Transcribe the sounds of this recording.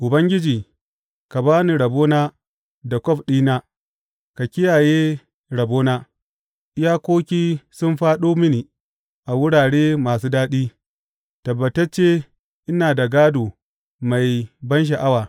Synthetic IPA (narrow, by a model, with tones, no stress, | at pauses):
ʔʊ˨bɐ˦ŋɡʲɪ˦d͡ʒiː˨ | ka˨baː˦ni˨ɽɐ˨boː˦naː˦ | da˨kʷɔ˦ɸɗiː˦naː˦ | ka˨kʲɪ˦jaː˨jeː˦ | ɽɐ˨boː˦naː˦ | ʔɪ˦jaː˦kʷoː˦kʲiː˦sʊ˦nɸaː˦ɗoː˦mɪ˦niː˨ | ʔa˨wʊ˦ɽaː˨ɽeː˦maː˨s̬uː˦daː˦ɗiː˦ | tɐ˨bːɐ˨tɐ˦t͡ʃe˦ | ʔɪ˦naː˨da˨ɡaː˦doː˨ | ma˨jbɐ˦nʃ̬a˨ʔa˦waː˨